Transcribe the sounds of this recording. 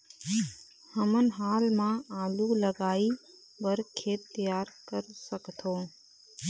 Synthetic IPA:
həmənɦaːlmãaːluləɡaːi | bəɾkʰeːt̪ːijaːɾkəɾsəkt̪ʰõː

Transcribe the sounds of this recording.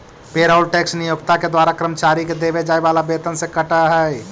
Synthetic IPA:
peːɾaʊlʈeːksnɪjʊkt̪aked̪waːɾakɾəmət͡ʃaːɾiked̪eːʋed͡ʒaːeʋaːlabeːt̪ənsekəʈaɦɛ

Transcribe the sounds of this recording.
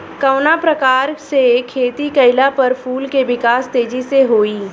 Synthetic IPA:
kəʊnapɾɐkaːɾsekʰːeːt̪ikɐɪlapɐɾpʰuːlkeʋɪkaːst̪eːd͡ʒiseɦoːiː

